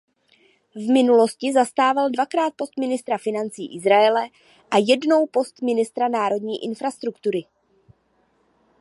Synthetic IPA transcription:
vmɪnulo̞scɪzast̪aːvaldvakɾaːt̪̚po̞st̪mɪnɪst̪ɾafɪnant͡siːʔɪzɾaɛlɛ | ʔajɛdno̞wpo̞st̪mɪnɪst̪ɾanaːɾo̞dɲiːʔɪnfɾast̪ɾukt̪uɾɪ

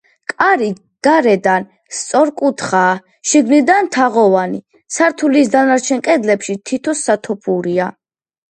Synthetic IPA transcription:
kʼaɾi | ɡ̥aɾɛd̪an | st̪sʼɔɾkʼut̪ʰχaː | ʃiɡnid̪ant̪ʰaʁɔvanḭ | saɾt̪ʰuliːsd̪anaɾt͡ʃʰɛnkʼɛd̪lɛpʃit̪ʰit̪ʰɔsːat̪ʰɔpʰuɾia

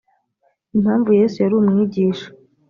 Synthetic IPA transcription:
inhaːɱvuje̞ːsujaɾuːmŋiːɟiːʃḁ

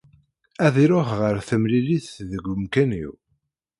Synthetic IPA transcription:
æðiɾʊχʁəɾθəmliliθðəɡʷːʊmkænḭw

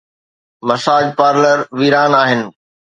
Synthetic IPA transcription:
mɐsaːd͡ʑpaːɾləɾʋiːɾaːnaːɦɪnɪ̆

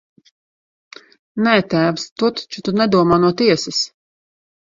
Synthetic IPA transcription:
nɛːt̪æːvst̪ut̪ḁt͡ʃut̪unɛd̪uɔmaːnuɔt̪iɛsɪs

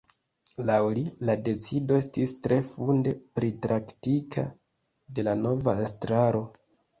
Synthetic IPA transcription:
lawlilade̞t͡sido̞e̞stistɾe̞funde̞pɾitɾaktikʰa̰ | de̞lano̞vaestɾaɾo̞

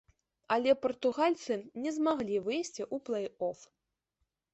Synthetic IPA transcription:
ɐlʲɛpɐrt̪uɣalʲt̪sɨnʲɛzmaɣlʲivɨjsʲt͡sʲiʔuplˠɐjɔf

